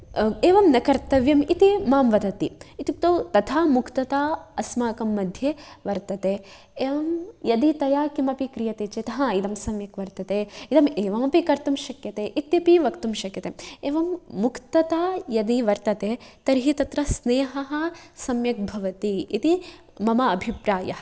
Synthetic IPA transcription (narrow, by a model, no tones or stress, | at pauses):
eːʋɐmnɐkɐɾt̪ɐʋjɐmit̪imaːmʋɐd̪ɐt̪iit̪ik̚t̪ot̪ɐt̪ʰaːmukt̪ɐt̪aːɐsmaːkɐmːɐd̪ʱjeʋɐɾt̪ɐt̪eː | eːʋɐmjɐd̪it̪ɐjaːkimɐpikɾijɐt̪eːt͡ʃet̪ɐɦɐid̪ɐmsɐmjɐkʋɐɾt̪ɐt̪eːid̪ɐmeːʋɐmɐpikɐɾt̪umʃɐkjɐt̪eːʔit̪ːipiʋɐkt̪umʃɐkjɐt̪eeːʋɐmːukt̪ɐt̪aːjɐd̪iʋɐɾt̪ɐt̪eːt̪ɐɾɦit̪ɐt̪ɾɐsneːɦɐɦɐsɐmjɐk̚bʱɐʋɐt̪iit̪i | mɐmɐɐbʱipɾaːjɐɦɐ